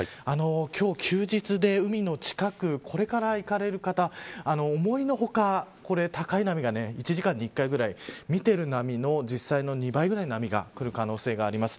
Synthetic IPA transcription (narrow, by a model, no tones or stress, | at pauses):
ano̞kʲo̞ːkʲʰɨːd͡ʑit͡sɨd̪e̞ɯ̟mʲino̞t͡ɕi̥kakɯ̟kʰo̞ɾe̞kaɾaikaɾe̞ɾɯ̟kat̪aano̞ːmo̞ino̞ɦo̞kako̞ɾe̞t̪akainamʲiɡane̞it͡ɕiʑikãɲ̟ːiːkːaiɡɯ̟ɾaimʲit̪e̞ɾɯ̟namʲino̞d͡ʑisːaino̞ɲ̟ibaiɡɯɾainoamʲiɡa̰kɯ̟ɾɯ̟kano̞ːse̞ːɡaːɾʲimasɨ̥